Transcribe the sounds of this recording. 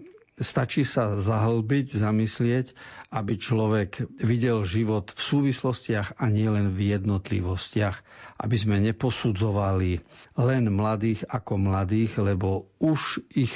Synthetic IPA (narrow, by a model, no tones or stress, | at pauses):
st̪at͡ʃisazaɦl̩biɟzamislɪɛcabit͡ʃlɔʋɛɡʋiɟɛlʒiʋɔt̪fsuːʋislɔscɪaɣaɲɪɛlɛnvjɛd̪nɔt̪lḭʋɔscɪaxʔa̰bizmɛɲɛpɔsud͡zɔʋalilɛnmlad̪iːɣakɔmlad̪iːɣlɛbɔuʒix